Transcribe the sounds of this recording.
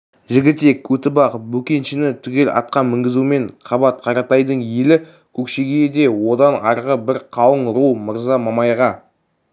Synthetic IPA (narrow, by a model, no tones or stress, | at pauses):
ʒɪɡʲɪt̪e̞kʲʰːɵt̪ɪbɑqbɵkʲe̞nʃɪnɪt̪ʰʏkʲe̞lɑ̰t̪̚qɑmɪŋɡʲɪzume̞ɴqʰɑbɑt̪̚qʰɑɾɑt̪ɑjd̪əɴjelɪ | kʲʰɵkʃeɡʲejd̪e̞wo̞d̪ɑnɑɾʁəbɪɾqʰɑwəɴɾuwməɾzɑmɑmɑjʁɑ